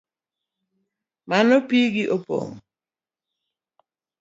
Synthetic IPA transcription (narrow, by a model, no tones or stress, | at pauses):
manopiɡiʔopo̰ŋ